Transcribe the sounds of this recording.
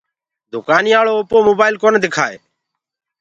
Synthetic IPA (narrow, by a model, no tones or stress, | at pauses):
d̪ʱʊkaːniːaːɭoːopoːmoːbaːɪlkoːneːd̪ekʰaːḛː